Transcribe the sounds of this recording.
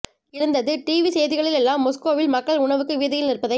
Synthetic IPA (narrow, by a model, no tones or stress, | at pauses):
ɪɾɯnd̪ɐðɯʈiːʋisɛjðɪɣɐɭɪlɛlːaːmːɔskoːʋɪlmɐkːɐɭʊɳɐʋɯkːɯʋɪːðɐjɪlnɪɾɯpːɐðɐɪ